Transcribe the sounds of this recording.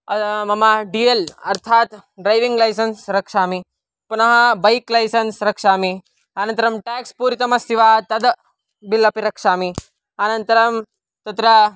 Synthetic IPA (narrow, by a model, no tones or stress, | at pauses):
ɐmɐmɐɖielɐɾt̪ʰaːt̪ɖɾɐjʋiŋɡlɐjsɐnsɾɐkʂaːmi | punɐɦɐbɐjklɐjsɐnsɾɐkʂaːmi | aːnɐ̃nt̪ɐɾɐmʈɛːkspuːɾit̪ɐmɐsiʋaːt̪ɐd̪ | bilɐpiɾɐkʂaːmi | aːnɐnt̪ɐɾɐm | t̪ɐt̪ɾɐ